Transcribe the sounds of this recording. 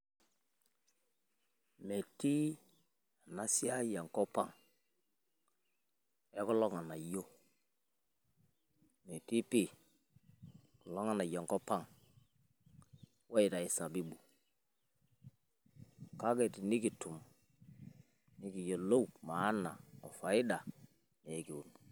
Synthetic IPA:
me˨ti˦ | a˨na˦si˦a˦ja˨ŋko˦pa˦˨ŋ | e˦ku˦lo˦ŋa˨na˨jo˦ | me˨ti˦pi˦ | ku˨lo˦ŋa˦˨na˨ja˨ŋko˦pa˦ŋ | wa˦i˨ta˨i˨sa˨bi˦bu˨ | ka˦ɡe˨ti˨ni˦ki˨tu˨m | ni˦ki˨jo˨lo˦u˨ma˨˦nːa˨o˨fa˨i˦da˨ | me˨˦ki˨u˨n˨

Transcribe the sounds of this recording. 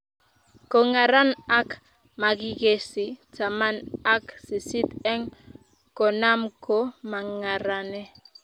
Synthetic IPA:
ko˨ŋa˨ɾa˦na˦k | ma˨ɡi˨ɡe˨si˨ta˨ma˦na˦ksi˨si˦t̪ɛ˦ŋ | kɔ˨na˦mko˦ma˨ŋa˨ɾa˨nɛ˦

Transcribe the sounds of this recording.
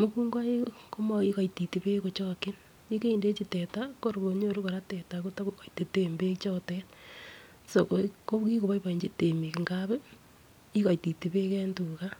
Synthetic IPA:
mo˦kuː˦ŋɡwa˦e˦ko˦ma˨i˦ka˨iti˨ti˨βe˦ko˨t͡ʃo˦ki˦n | i˦ke˦inde˦t͡ʃi˨te˨tako˦ɾo˨βo˨ɲo˦˨ɾu˦ko˨ɾa˦te˨tako˦ta˦kuka˨i˨te˨te˦mbe˦t͡ʃo˦tet | so˨koko˦ki˦ko˨βa˦iβa˨i˨ɲd͡ʒi˦te˨mi˨ki˨ŋɡa˦βe˦ | i˦ka˨i˨ti˨ti˨βe˦ke˦ntu˨ka˦

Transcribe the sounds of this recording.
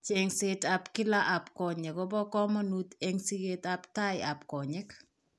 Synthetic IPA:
t͡ʃe˦ŋse˦tapki˦la˦ʔa˨pkɔ˨ɲɛ˨kɔ˦bɔ˦kɔ˦mɔ˦nut̪e˦ŋsi˦ɡe˦t̪a˦pta˦ja˨pkɔ˨ɲɛ˦k

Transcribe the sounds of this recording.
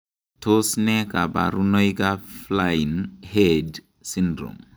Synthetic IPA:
tʰo˦snɛka˨ba̰˨ɾu˦no˦ika˦flainhɛd | sindɾo̰˨m

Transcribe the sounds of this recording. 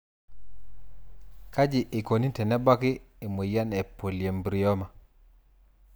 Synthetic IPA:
ka˦d͡ʒi˨ʔi˨ko˨ni˦tɛ˨nɛ˦ba˦ki˦ | i˨me˨ja˦nɛ˨po˨lje˨mbɾi˨ɔ˦ma˨

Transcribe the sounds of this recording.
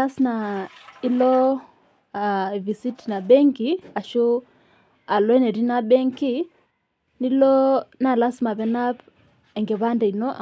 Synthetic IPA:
a˦sna˨i˦lɔ˦ | a˨vi˨si˦tna˨bɛ˦ŋki˨a˨ʃo˦ | a˨lɔ˦ɛ˦nɛ˨ɾi˦na˦bɛ˦ŋki˦ | ni˦lɔ˦na˦˨la˦sma˨βɛ˨˦na˦p | ɛ˨ŋɡɛ˨βa˦ndɛ˨i˨nɔ˦ʔa˨

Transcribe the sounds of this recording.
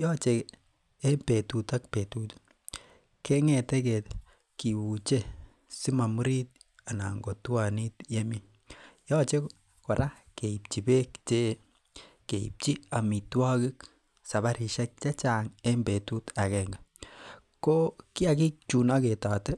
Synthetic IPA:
jɔː˦t͡ʃe | e˦mbe˨tu˨ta˦k̚petut | ke˦ŋɛ˨tɛ˦kɛ˨t | ki˨wu˨t͡ʃe˦ | si˦ma˨mu˦ɾi˦t̚ | a˨na̰˨ŋɡo˨twa˨ni˦tje˦mi˦ | jɔː˦t͡ʃe˦ | ko˨ɾa˦ke˨i˨pt͡ʃi˨be˦kt͡ʃe˦ | keḭ˨p̚t͡ʃi˦a˨mi˨twa˦ki˦k | sa˨βa˦ɾi˨ʃa˦k̚t͡ʃa˦t͡ʃa˨ŋe˦mbe˨tu˦ta˨kɛŋɡa | ko˦ki˦a˨ki˦k̚t͡ʃu˨na˦ke˨taː˨tɛ˦

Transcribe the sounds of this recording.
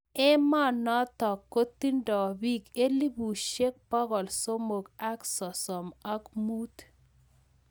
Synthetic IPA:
ɛ˦ma˦nɔ˦t̪ɔ˨kːo˦t̪i˦ndɔ˨bi˦ke˦li˦bu˨ʃe˦k̚pɔ˦ɡɔ˨lso˦mo˨ɡa˦ksɔ˨sɔ˨ma˦kmu˦t̪

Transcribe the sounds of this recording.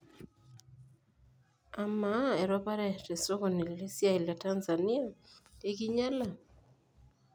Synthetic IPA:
a˨ma˦ɛ˨ɾɔ˦pa˦ɾɛ˦˨tɛ˨so˦ko˨ni˨le˦sja˦i˨la˨ta˦nza˨ni˦a˦e˦ɡi˦ɲa˦la˦˨

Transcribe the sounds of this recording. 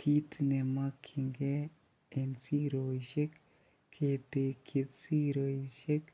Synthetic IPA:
kʰi˦tne˨ma˦kʰi˨ŋɡe˦ | e˨nsi˦ɾo˨i˨ʃe˦k | kʰːe˨te˨kʰi˨tsi˦ɾo˨i˨ʃe˦k

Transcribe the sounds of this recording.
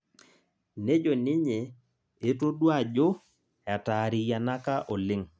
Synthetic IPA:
ne˦d͡ʒo˨nɪ˦ɲe˨ | e˦to˦dwa˦˨d͡ʒo˦ | ja˨ta˨ɾɪ˨ja˨na˦ka˦ʔɔ˨lɪ˦ŋ

